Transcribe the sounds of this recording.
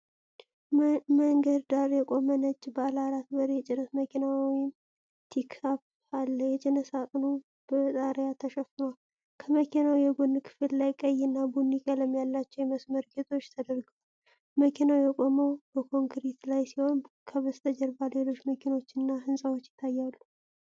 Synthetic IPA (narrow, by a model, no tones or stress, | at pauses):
məŋɡəd̪d̪aɾjɛkʼo̞mənət͡ʃʼːbəalaɾat̪̚bəɾjɛt͡ʃʼɪnət̪məkʰinawjɪm | t̪ʰikap | alːəjɛt͡ʃʼɪnəsakʼno | b̥ət̪ʼaɾjat̪ʰəʃəfɨnal | kʰəməkʰinawjɛɡunːkʰɨ̥fɨlːajkʼəjɨnːabunːikʼaləmjalːat͡ʃːɛwjɛməsməɾɡet̪ʰo̞t͡ʃːt̪ʰəd̪əɾɡəw | məkʰinawjɛkʼo̞məwbəkʰo̞ŋkɾit̪lajsiho̞n | kʰəβəst̪ʰəd͡ʒɛɾbale̞lo̞t͡ʃːməkʰino̞t͡ʃːɨnːaɦɨnsʼawot͡ʃːjɪt̪ʰːajːalːu